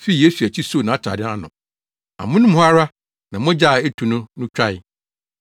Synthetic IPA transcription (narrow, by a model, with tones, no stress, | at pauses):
fi˦i˨je˦su˨æ˨t͡ɕʰi˦so˦˨nã˨a˦t͡ɕʰa̰˨dɪ˦a˦nʊ̃˨ | a̰˨mʊ̃˦nʊ̃˦m˦a˦ɾa˦ | nã˨mʊ̃˦d͡ʑa˦˨e˦tʰu˨nʊ̃˦nʊ̃˦t͡ɕᶣa˦ɪ˦˨